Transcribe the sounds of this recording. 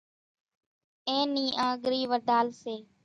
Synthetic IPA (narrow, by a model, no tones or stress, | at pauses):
ẽːniːʔãːɠɾiːʋəd̪ʱaːlseː